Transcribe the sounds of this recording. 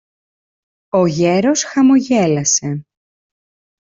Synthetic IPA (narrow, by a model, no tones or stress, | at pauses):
oʝe̞ɾo̞sxɐmo̞ʝe̞lɐse̞